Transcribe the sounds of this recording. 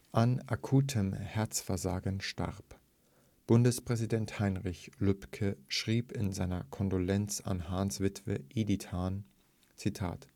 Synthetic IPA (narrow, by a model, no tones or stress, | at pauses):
ʔanʔakʰuːtʰəmhɛɐt͡sfɛɐzaːɡənʃta̰ʁp | b̥ʊndəspʁ̥ɛzidɛnthaɪnʁɪçlʏpkʰəʃʁ̥iːpɪnzaɪnɐkʰɔndolɛnt͡sa̰nɦaːnsv̥ɪtv̥ə̰ʔiditʰhaːn | t͡sitʰa̰ːt